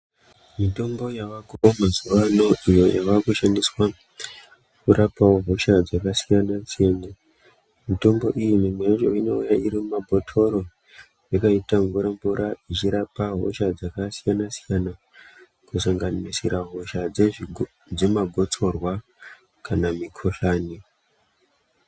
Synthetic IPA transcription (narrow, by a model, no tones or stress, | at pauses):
mito̞mbo̞jaʋakoomazuʋano̞ijo̞jaʋakuʃandiswa | kuɾʔapawoɦo̞ʃad͡zakasijanasiena | mito̞mbo̞ʔijimimeot͡ʃoino̞ujaiɾimumabʱo̞tʰo̞ɾo̞ | jakaitaŋɡuɾambuɾʔait͡ʃiɾapaɦo̰ʃad͡zakasijanasijana | kusaŋɡanisiɾaɦo̞ʃad͡ze | d͡ze̞maɡʱo̞t͡so̞rwa | kanamikʰoɬaːni